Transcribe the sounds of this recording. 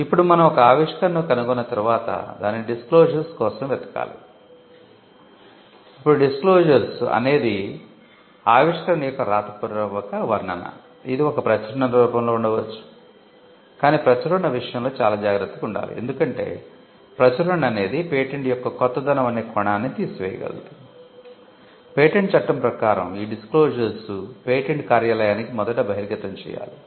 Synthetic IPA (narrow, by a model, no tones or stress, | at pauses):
ipːuɽumɐnɐmɔkɐaːʋiʂkɐɳːokɐnuɡunːɐt̪ɐɾuʋaːt̪ɐ̰d̪a̰ːnːikiɖiskloːʒɐɾskɔːsɐmʋɛt̪ɐ̥ka̰ːlḭ | ipːuɽuɖisklo̞ːʒɐɾsɐ̰ne̞ːd̪i | aːʋiʂkɐɐɳɐjɔkːɐɾaːt̪ɐpɐɾɾɐʋɐkɐʋɐɾɳɐnɐ̰ | id̪iɔkɐpɾɐt͡ʃɐɾɐɳɐɾɾuːpɐmlo̞ːuɳɖɐʋɐt͡ʃːu̥ | kaːniːpɾɐt͡ʃɐɾɐɳːɐʋiʂɐjɐmlo̞ːt͡ʃaːlaːd͡ʒaːɡɾɐt̪ːɐkuɳɖa̰ːɾṵe̞̰nd̪ukɐɳʈe̞̰ː | pɾɐt͡ʃɐɾɐɳɐne̞ːd̪ipeːʈeɳjɔkːɐkɔt̪ːɐd̪ɐnɐmɐneːkɔɳaːnːit̪iːsuʋɛːjɐ̰ɡɐ̰lɐ̰d̪u | peːʈeɳʈ̚t͡ʃɐʈːɐmpɾɐkaːɾɐ̰miːɖisklo̞ːʐɐɾsupeːʈeɳʈkaːɾjaːlɐjaːnikimɔd̪ɐʈɐbʱɐɦiɾɡɐt̪ːɐɲt͡ʃɛ̰ːja̰ːli